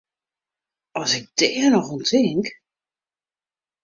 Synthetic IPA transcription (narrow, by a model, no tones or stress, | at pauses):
ɔsɪk̚dɛːənɔxuntʰɪŋk